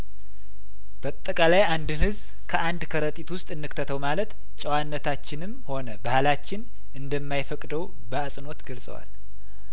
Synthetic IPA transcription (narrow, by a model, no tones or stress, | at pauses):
b̥əat̪ʼːəkʼalajand̪ɨnhɨzb | kʰəʔand̪kʰəɾət̪ʼit̪wʊst̪ʼɨnːɨkt̪ʰət̪ʰəwmalət̪ | t͡ʃʼəwanːət̪ʰat͡ʃːɪnɨmho̞nəbahalat͡ʃːɪn | ʔɨnd̪əmːajfəkʼd̪əw | bəasʼɨno̞t̪ɡəlsʼə̰wa̰l